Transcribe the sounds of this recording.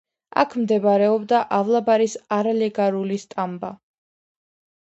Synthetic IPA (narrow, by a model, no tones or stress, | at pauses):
a̰kʰmd̪ɛbaɾɛɔbd̪aʔavlˠabaɾisaɾalɛɡaɾulist̪ʼamba